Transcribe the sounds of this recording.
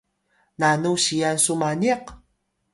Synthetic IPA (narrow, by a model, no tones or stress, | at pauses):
nanuʃijansʊmaneq